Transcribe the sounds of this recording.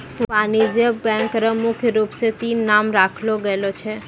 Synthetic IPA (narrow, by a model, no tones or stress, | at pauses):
ʋanid͡ʒjəbɛ̃ŋkɾəmʊkʰjəɾupset̪inamɾakʰloɡəelot͡ʃʰe